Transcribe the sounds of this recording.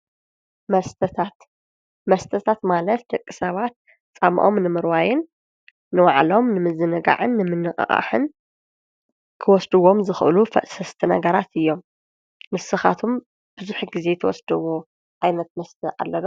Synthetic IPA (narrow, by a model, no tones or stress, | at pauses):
mɐst̪ʰt̪ʰat̪ | mɐst̪ʰɐt̪ʰat̪malɐt̪̚d̪̥ɐkʼːisɐβat̪̚ | t͡sʼamʔo̰mnɨmɨɾwajɪnː | ɨwaʕlo̞mnɨmɨzɨnɨɡa̰ʕɨnːɨmɨnːɨxʼɐ̰ʔʼa̰ħɨ̰n | kʰɨwɔsd̪ɨwo̞mzɨxʔɨ̰lufɐ̰ʔsɐst̪ʰɨnɐɡɐɾat̪ʰɨjːo̞mː | ɨsɨxa̰t̪ʰom | b̥ɨzuħɡize̞t̪ʰɐwɔ̰sd̪ɨwo | ʔajnɐt̪̚mɐst̪ʰɨʔa̰lːɐlo